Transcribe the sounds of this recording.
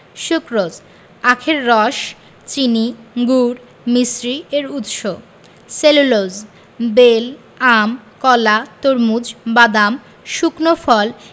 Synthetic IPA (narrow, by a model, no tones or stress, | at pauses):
ʃukɾod͡ʑ | akʰeɾːɔʃ | t͡ɕiniɡuɾ | misɾieɾut̪ʃo | selulod͡ʑ | bel | amkɔlat̪oɾmud͡ʑbad̪am | ʃuknofɔl